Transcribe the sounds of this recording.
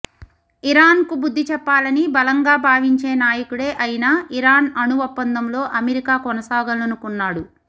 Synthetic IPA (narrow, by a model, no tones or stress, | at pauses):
iɾaːnkubud̪ʱːit͡ʃɛpːaːlɐnibɐlɐŋɡaːbʱaːʋiɲt͡ʃe̞ːnaːjɐkuɽe̞ːʔɐjinaːʔiɾaːnɐnuʋɐpːɐnd̪ɐmlo̞ːʔɐmeɾikaːkɔnɐsaːɡɐlɐnukunːaːɽu